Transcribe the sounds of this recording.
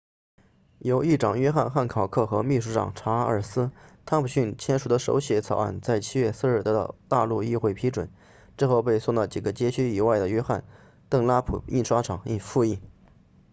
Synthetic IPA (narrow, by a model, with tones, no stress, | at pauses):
jo˧˥ʊi˥˩ʈ͡ʂɑ˨˩ŋɥɛ˥xa˥˧nxa˥˩nkʰɑ˨˩ʊkʰɤ˥˩xɤ˧˥mi˥˩ʂu˧˥ʈ͡ʂɑ̰˨˩ŋʈ͡ʂʰa˧˥ə̰˞˨˩sɹ̩˥t̪ʰa˥npʰu˨˩ɕy˥˩nt͡ɕʰjɛ˥nʂu˨˩d̪ə˦ʂo̰˧˥ʊɕjɛ˧˥t͡sʰɑ˨˩ʊa̰˥˩nt͡sa˥˩ɪt͡ɕʰi˥ɥɛ˥˧sɹ̩˥˧ɻ̩˥˩t̪ɤ˥˧˩t̪a˥˧lu˥˧i˥˧xwe˥˩ɪpʰi˧˥ʈ͡ʂwə̰˨˩˦n | ʈ͡ʂɻ̩˥˧xo˥˧ʊpe˥˧ɪsʊ˥˩lə˩t͡ɕi˨˩ɡə˦t͡ɕjɛ˥t͡ɕʰy˥i˨˩wa˥˩ɪd̪ə˩ɥɛ˥xa˥˩n | t̪ɤ˥˩ŋla˥pʰṵ˨˩ḭ˥˩nʂwa˥ʈ͡ʂʰɑ˨˩˦ŋi˥˧nfu˥˧i˥˩